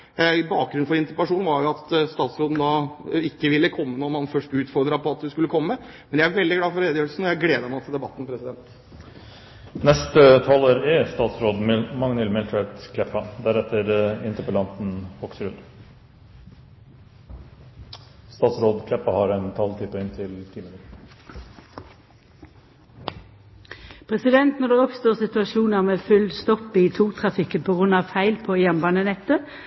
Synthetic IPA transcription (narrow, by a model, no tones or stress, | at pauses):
bɑːk̚ɡɾʉn̩fɔɾɪnt̪əpəlɑʂuːnʋɑɾjʊɑt̪st̪ɑːt̪sɾoːd̪n̩d̪ɑɪkːəʋɪlːəkʰɔmːənɔmhɑnfœʂʈʉːt̪fɔɾd̪ɾɑpɔɑt̪̚d̪ʉskʉlːəkʰɔmːə | mɛndjææɾʋɛld̪ɪɡlɑːfɔɾeːd̪ɪøːlsn̩ɔjæɪɡleːd̪əmɑt̪ʰɪld̪ɛbɑ̰t̪ːn̩pʰɾɛsɪd̪ɛnt̪ | nɛst̪ət̪ʰɑloːɾɪst̪ɑːt̪sɾoːd̪mmɑŋnəlmɪlt̪ʰɾɛt̪kʰlɛpːɑd̪æɾɛt̪ːəɾɪnt̪əɾpəlɑnt̪n̩ɔksɾʉd̪ | st̪ɑːt̪sɾoːd̪kʰlɛpːɑhɑɾɛnt̪ʰɑlt̪ʰɪpəɪnt̪ʰɪlt̪ʰiːmənɪ | pʰʁɛsɪd̪ɛnt̪nɔʁd̪eːɔpst̪oːʁsɪt̪ʉɑʃuːnɑʁmeːfʉld̪st̪ɔpːɪːt̪ʰuːʁt̪ʰʁɑfɪkənpʰɔːɡʁʉnɑʋfæɪlpʰoːeːɛnbɑːnənɛt̪ːə